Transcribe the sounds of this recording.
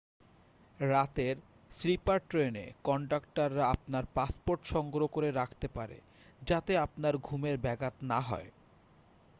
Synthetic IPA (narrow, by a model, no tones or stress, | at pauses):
ɾat̪eɾ | slipaɾʈɾenḛkɔɳɖakʈaɾːaap̚naɾpaspoɾʈʃɔŋɡɾokoɾeɾakʰt̪epaɾḛ | d͡ʑat̪eapnaɾɡʱumeɾbɛɡat̪naɦɔ̰e